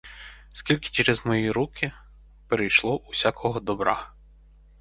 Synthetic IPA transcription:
skʲilʲkɪ̥t͡ʃɛɾezmɔjiɾukʰɪ | peɾejʃlˠɔʔusʲakʰɔɦɔd̪ɔbɾɑ̰

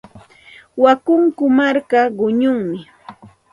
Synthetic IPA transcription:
wakʊŋkʊmaɾkaɢʊɲʊŋmɪ

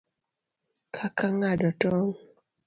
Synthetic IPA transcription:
kʰakaŋadɔtɔŋ

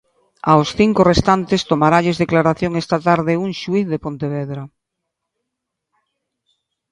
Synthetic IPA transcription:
a̰wsθiŋkorest̪ant̪est̪omaɾaʎezðeklaɾaθjoŋest̪at̪aɾðɪuŋʃuiθðepõnt̪eβɛðɾa

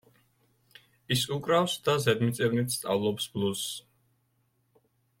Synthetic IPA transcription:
isukʼɾafsd̪azɛd̪mit̪sʼɛvnit̪ʰst̪sʼa̰vlˠɔpsblˠus

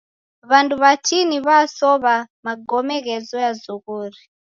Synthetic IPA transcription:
βanduβat͡ʃiniβasɔβamaɡɔmɛɣɛzɔjazuɣuːɾi

